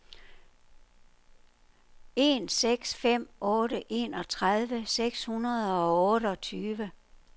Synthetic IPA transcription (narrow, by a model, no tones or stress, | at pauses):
e̝̰ːnseɡ̥sfem̰ɔ̽ːɾəʔe̝̰ːnɒ̽t͡sʰʁað̞ˠʋəseɡ̥shunɐðˠɒ̽ɔ̽ːɾəɒ̽t͡sʰyːʋə